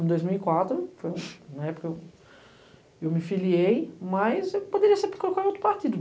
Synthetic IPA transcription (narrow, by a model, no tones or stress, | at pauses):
d̪ojzmiwikwat̪ɾʊfojũñɛpoɾkeew | ewmɪfiliejmɐzewpod̪eɾiɐseɾpkolkawowt̪ɾʊpaɾt̪id̪ʊ